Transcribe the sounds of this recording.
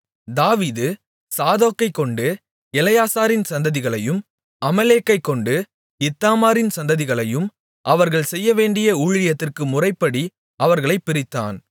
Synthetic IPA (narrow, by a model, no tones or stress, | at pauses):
d̪aːʋiːðɯ | saːðoːkːɐɪkːɔɳɖɯ | ɛlɐjaːsaːɾɪnsɐnd̪ɐðɪɣɐɭɐjɯm | ɐmɐleːkːɐɪkːɔɳɖɯ | ɪt̪ːaːmaːɾɪnsɐnd̪ɐðɪɣɐɭɐjɯm | ʔɐʋɐɾɣɐɭsɛjːɐʋeːɳɖɪjɐuːɻɪjɐt̪ːɪrkɯmʊrɐɪpːɐɽi | ɐʋɐɾɣɐɭɐɪpːɪɾɪt̪ːa̰ːn